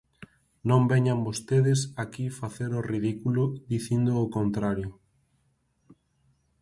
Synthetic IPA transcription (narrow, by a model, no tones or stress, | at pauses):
nõmbɛɲambost̪eðɪsakifaθeɾoriðikulʊðiθind̪oːkont̪ɾaɾjʊ